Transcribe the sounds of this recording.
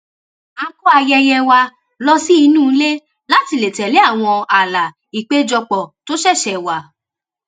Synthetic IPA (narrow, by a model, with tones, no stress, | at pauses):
a˧kɔ˦a˧jɛ˧jɛ˧wa˧ | lɔ˦si˦i˧nũ˦˨˧le˦ | la˦ti˧le˨tɛ˨le˨˦a˦˨w̃ɔ̃˧a˨la˨ | i˨k͡pe˨˦d͡ʒɔ˧k͡pɔ˨to˦ʃɛ˦˨ʃɛ˨wa˨